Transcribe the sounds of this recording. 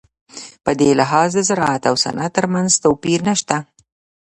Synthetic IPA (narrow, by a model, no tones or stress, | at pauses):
pəd̪elɪɦɑzd̪əzaɾɑat̪awsa̰nʔat̪əɾmanzt̪owpiɾnaʃt̪a